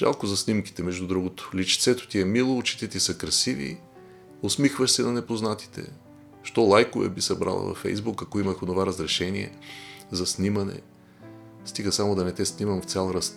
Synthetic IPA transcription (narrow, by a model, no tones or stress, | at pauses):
ʒ̥a̰lˠkozɐsnimki̥t̪ɛmɛʒd̪ud̪ɾuɡʊt̪o̥lit͡ʃt̪sɛt̪ʊ̥t̪iɛmilˠoːt͡ʃi̥t̪it̪isəkɾɐsivḭ | ʊsmixvəʃsɛnɐnɛpoznat̪i̥t̪ʰɛ̰ | ʃt̪ɔlˠajkʊvɛ̰bisɐbɾa̰lˠə̰vɐ̰fɛ̰jzbukɐkoiməxod̪ovaɾəzɾɛʃɛniɛ̰zɐsnimɐnɛ̰ | st̪iɡəsamod̪ɐnɛt̪ɛsnimɐmft̪sʲalˠɾast̪